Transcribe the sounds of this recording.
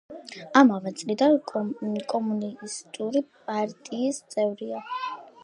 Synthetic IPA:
amavɛt̪sʼlid̪ankʼɔmunist̪ʼuɾipʼaɾt̪ʼiːst̪sʼɛvɾia

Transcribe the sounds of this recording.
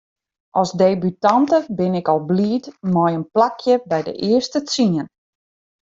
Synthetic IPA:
ʔɔlˠszdeːbytɑntəbɪnɪkɔlˠbliːtmɔjənplakʰjəbɛjdə̰ʔɪəstət͡siən

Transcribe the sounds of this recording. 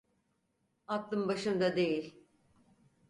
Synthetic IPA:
at̪lˠɯmbaʃɯmd̪ad̪e̞jilʲ

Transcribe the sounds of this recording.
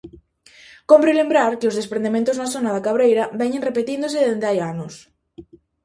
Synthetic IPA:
kompɾelembɾaɾkeozðespɾend̪emẽnt̪oznasonaðakaβ̞ɾejɾaβɛɲẽnrepet̪ind̪oseðend̪eajanos

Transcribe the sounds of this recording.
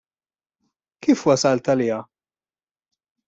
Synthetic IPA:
kiːfwɐsɐlt̪ɐlɪːjɐ

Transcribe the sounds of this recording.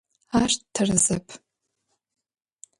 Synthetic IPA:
aʃttʰarɨzɨpʼ

